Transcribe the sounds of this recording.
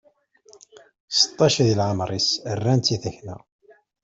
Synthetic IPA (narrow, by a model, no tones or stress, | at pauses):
sə̥t̪ˤːɑʃðilʕəmɾˤisərːænt̪iθəçnæ̰